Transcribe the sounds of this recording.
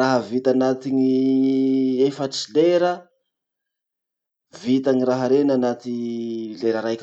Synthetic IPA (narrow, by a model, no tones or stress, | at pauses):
aɦəvit̪anat̪iŋi | efəʈ͡ʂileɾə | vit̪aŋiraɦəɾenanat̪ileɾəɾajk